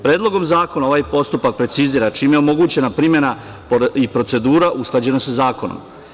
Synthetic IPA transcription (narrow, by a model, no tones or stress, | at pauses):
pɾe̞ːd̪lˠo̞ɡo̞mzaːko̞naoʋajpo̞st̪upak̚pɾe̞t̪siziːɾat͡ʃiːmjeo̞mo̞ɡuːt͡ɕe̞napɾimje̞na | ipɾo̞t̪se̞d̪uːɾaʔusklˠad͡ʑe̞nasazaːko̞no̰m